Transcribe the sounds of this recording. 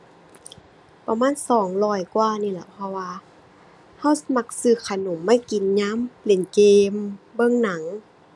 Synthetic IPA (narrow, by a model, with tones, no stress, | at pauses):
pa˧maː˧˥˨nsɔː˨˩˦ŋlɔː˧˩jkwaː˧˩niː˧˩la˧˩˨pʰɔ˧waː˧ | ha˧˥˩wsa˧ma˧˩k̚sɯː˧˩kʰa˧no˨˦mːa˧˥˨jki˨nɲaː˧˥˨mple˨˩nkeː˧mbɤ˧˥˨ŋna˨˦ŋ